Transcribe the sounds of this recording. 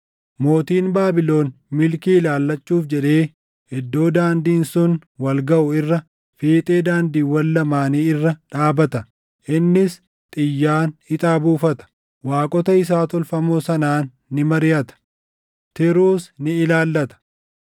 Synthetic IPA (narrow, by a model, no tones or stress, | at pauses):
mo̞ːt̪iːnbaːbɪlo̞ːnmɪlkiːɪlaːlːɐt͡ʃːuːfd͡ʒɛᶑe̞ː | ɪd̪ːo̞ːd̪aːnd̪iːnsʊnwɐlɡɐʔʊɪrːɐ | feːt̪ʼe̞ːd̪aːnd̪iːwɐlːɐmaːniːɪrːɐᶑaːbɐt̪ɐ | ʔɪnːɪs | t̪ʼɪjːaːnɪt̪ʼaːbuːfɐt̪ɐ̥ | waːkʼɔt̪ɐɪs̬aːt̪ɔlfɐmoːsɐnaːnː | ɪmɐɾɪjɐt̪ɐ̥ | t̪ɪɾuːsnɪɪlaːlːɐt̪ɐ̥